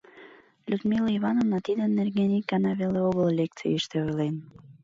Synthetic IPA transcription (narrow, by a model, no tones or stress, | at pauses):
lʲud̪miləiβɑnovnɑt̪id̪ənːerɡenik̚ɡɑnɑβeleoɣəllʲek̚t͡sḭjiʃt̪eojlen